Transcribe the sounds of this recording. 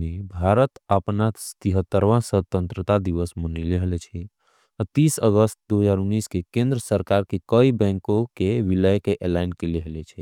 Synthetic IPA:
mebʱaɾət̪əpnast̪iɦət̪ːəɾʋãsət̪ə̃nt̪ɾət̪ad̪iʋəsmənileɦlet͡ʃʰɛ | t̪iːsəɡəst̪̚d̪uɦəzaːɾunːiskekẽnd̪ɾəsəɾkaɾkekəibɛ̃ŋkõkeʋiləjkeʔelaɪnkeleɦlet͡ʃʰɛ

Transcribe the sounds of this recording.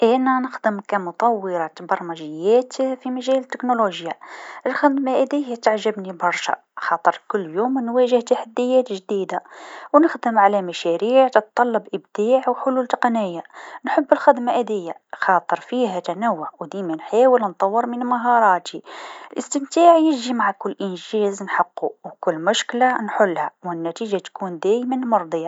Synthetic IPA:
ʔænænəxd̪əmkæmʊt̪ˤɑwːəɾɑt̪bɑɾˤmæʒəjːæt̪fimæʒælət̪ːəknoluʒjaʔəlxəd̪maʔæd̪əjːæt̪aʕʒəbnibɑɾˤʃæ̰ | xɑt̪ˤəɾkʊlːjumnwæʒəht̪aħad̪ːəjːæt̪ʒd̪id̪awnəxd̪əmʕalæmæʃæɾiʕt̪ət̪t̪ˤːɑlːɑbʔəbd̪̥iʕwħʊlult̪ɑqɑnəjːanħəbːəlxɪd̪maʔæd̪əjːaxɑt̪ˤəɾfiɦæt̪ænæwːʊʕwd̪imænħawəlnt̪ˤɑwːəɾmənmaɦɑɾˤɑt̪iəlʔəst̪əmt̪aʕjəʒimaʕakʊlːʔənʒæznħəqːuwkʊlːmʊʃklanħʊlːhæwənːæt̪iʒat̪kund̪æjmænlmɑɾˤd̪ˤjɑ

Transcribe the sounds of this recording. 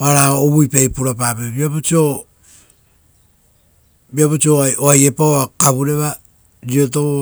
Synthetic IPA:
aɾaoːβujpajpuɾapapebiapot͡ʃio | biapot͡ʃioaoajepaoakaβuɾeβa | ɾioto

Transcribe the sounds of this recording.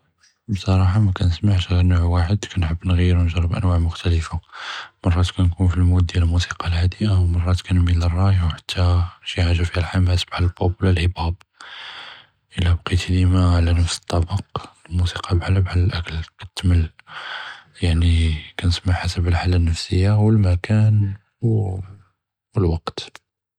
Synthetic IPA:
bsˤɑɾˤɑħɑmækænəsmaʕʃɣiɾnuʕwaħəd̪kʰænħəbːnɣiɾunəʒɾˤəbʔə̰nwaʕmʊxt̪æləfamɑrˤːɑt̪kænkunfilmutd̪jæləlmusi̥qɑlhad̪əʔawmɑrˤːɑt̪kænmilːərˤːɑjwħḁt̪ʰːæʃiʕaʒufihælħamhæsəbħallbublælhəbæb | ʔəlːæbqit̪d̪imaʕlænəfsə̥t̪ˤːɑbəqəlmusi̥qɑbħaləbʕaləlʔækəlkæt̪t̪məl | jaʕnikænəsmaʕħasəbəlħalːænːəfsəjːawəlmækæn | w | wəlwɑqt̪

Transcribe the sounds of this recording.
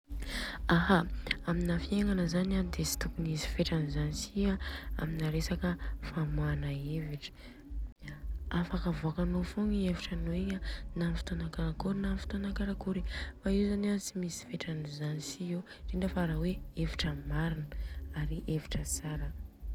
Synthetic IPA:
aɦaaminafieŋanəzanianid̪esi̥t̪ukunisi̥feʈ͡ʂanizanisiaa̰minaɾesakəfamanaeviʈ͡ʂə̥ | afakavuakanofuŋieviʈ͡ʂanoiɲanamifi̥t̪anakaɾakuɾinamifi̥t̪onakaɾakuɾifaiwzaniansimisi̥feʈ͡ʂanizanisiew | ɖ͡ʐiɳɖ͡ʐəfaɾaweeviʈ͡ʂəmaɾinəaɾiʔeviʈ͡ʂəsaɾə

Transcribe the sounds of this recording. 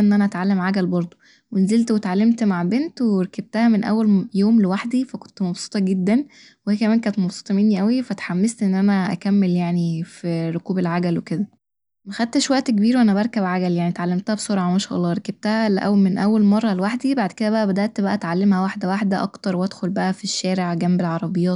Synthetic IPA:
ʔenːʔænæʔæt̪ʕalːemʕaɡælbɑɾˤd̪ˤo | wenzelt̪wet̪ʕalːemt̪maʕbent̪weɾækæb̚t̪æhæmenʔæ̰wːæljoːmlewaħd̪ifæko̥nt̪mɑbsˤe̥t̪ˤɑɡed̪ːæn | wehiːkæmæːnk̬æːnet̪mɑbsˤo̥t̪ˤɑmenːiʔæwifæt̪ħamːest̪ʔenːʔænæʔæ̰kæmːeljaʕnifiɾokuːbelʕaɡælweked̪æ | mæxæd̪̚t̪eʃwæʔt̪kebiːɾwʔænæbæɾˤkæbʕaɡæljaʕnit̪ʕalːemt̪æhæbsˤoɾˤʕɑmæʃæ̰ːʔɑlˤːɑːɾˤækæb̚t̪æhæleʔæwmenʔæwːælmɑrˤːɑlewaħd̪ibaʕd̪ked̪æbæʔæbæd̪æʔt̪bæʔæt̪ʕalːemhæwaħd̪æwaħd̪æʔɑ̰kt̪ɑɾˤwʔæd̪xolbæʔæfiʃːæːɾeʕɡæmbelʕɑɾˤɑbejːɑːt̪

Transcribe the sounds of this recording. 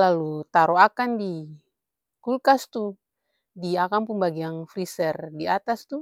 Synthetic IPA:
lalut̪aɾɔakandi | kulkast̪u | diakampuŋbaɡiaŋfɾisɛrdiat̪ast̪u

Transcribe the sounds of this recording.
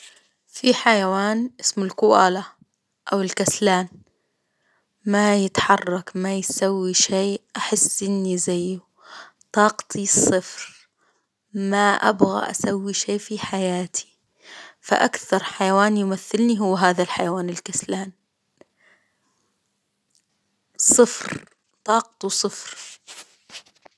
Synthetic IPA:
fiħajawaːnʔɪsmʊlkʊʔaːla | ʔawɪlkaslaːn | majɪt̪ħɑrˤːɑkmajsawːiʃeːʔaħɪsːʔɪnːizajːu | t̪ˤɑːqt̪ʰisˤːɨfɾ | maʔa̰bɣa̰ʔa̰sawːiʃeːfiħajaːt̪ʰi̥ | fa̰ʔakθɑɾˤħajawaːnjmaθːɪlniɦʊwːɦaːðalħajawaːnɪlkaslaːn | sˤɨfɾ | t̪ˤɑːq̚t̪usˤɨfɾ

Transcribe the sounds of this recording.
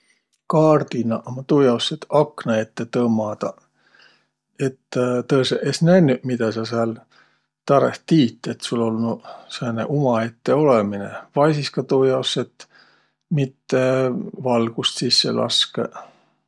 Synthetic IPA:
kɑːrd̪̥inɑʔomɑt̪uːjɑoset̪ɑknɑet̪ːe̞t̪ɤːmɑd̪̥ɑ | e̞t̪ːt̪ɤeseʔesnænːyʔmid̪̥ɑs̬ɑsɑl | t̪ɑɾḛht̪iːt̪ːˑet̪sulːo̞lnusenḛʔumɑe̞t̪ːe̞o̞leminḛvɑjsiskɑt̪uːjɑowsːet̪ | mit̪ːevɑlɡ̥ust̪sisːḛlʔɑ̰skḛ

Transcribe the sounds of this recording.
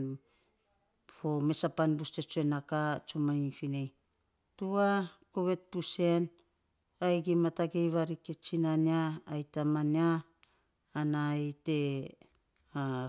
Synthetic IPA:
fo̞me̞sapanbuste̞t͡ʃuenakat͡ʃumajifinej | tuakoβe̞t̚puse̞n | ajɡimataɡe̞jβaɾike̞t͡ʃinaniaːjtamaniaː | najte̞ | a

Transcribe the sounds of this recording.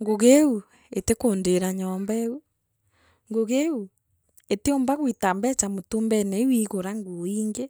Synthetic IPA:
ŋɡoɣeu | etekoːndeɾaɲɔːmbaeu | ŋɡoɣeu | eteombaɣwitambɛt͡ʃamotoːmbɛnɛwiɣoɾaŋɡoiːŋɡe

